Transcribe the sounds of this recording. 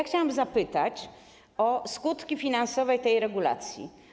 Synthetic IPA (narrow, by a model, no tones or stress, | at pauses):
axt͡ɕawamzapɘt̪at͡ɕ | ɔskut̪kʲifʲinansɔvɛjt̪ɛjɾɛɡula̰t̪sʲjḭ